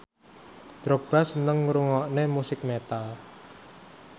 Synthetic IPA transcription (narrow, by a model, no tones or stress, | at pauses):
d̪̥ɾɔk̚b̥a̤sənəŋuɾuŋɔʔnemusɪk̚met̪al